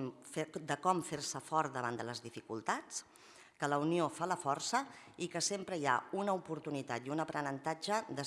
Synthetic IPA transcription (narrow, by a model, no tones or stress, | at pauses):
mfed̪əkɔmfersəfɔɾd̪əβand̪ələzðifikulˠt̪at͡s | kələuniofaləfɔrsə | ikəsempɾəia̰unəupuɾt̪unit̪at̪iunəpɾənənt̪ad͡ʒəd̪ə